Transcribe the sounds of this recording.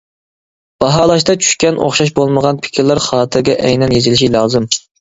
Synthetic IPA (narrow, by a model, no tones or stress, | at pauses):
b̥ɑɦɑːlˠɑʃt̪ɑt͡ʃʰy̥ʃkʲɛnʔo̰χʃɑʃ̬bolˠməʁɑnpʰɪ̥kʲʰiɾlæɾχɑːt̪ʰɨɾɡʲɛʔɛjnɛnjezɪlɪʃilˠɑːzɨm